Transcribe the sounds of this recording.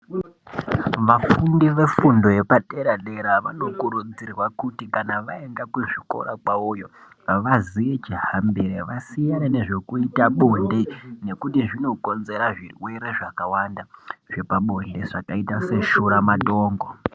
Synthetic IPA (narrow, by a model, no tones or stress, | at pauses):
ʋafundiʋe̞fundo̞je̞pateɾaɗe̞ɾaʋa̰no̞kuɾud͡zirwakutikanaʋaeŋɡakuʐiko̰ɾakwaujo̞ | ʋaziʋe̞t͡ʃiɦambeɾeʋasijaɾene̞ʐe̞kuitaɓondene̞kutiʐino̞ko̞nze̞ɾaʐirwe̞ɾe̞ʐakawandaʐ̥e̞paɓo̞nde̞ʐakaitase̞ʃuɾamato̞ːŋɡo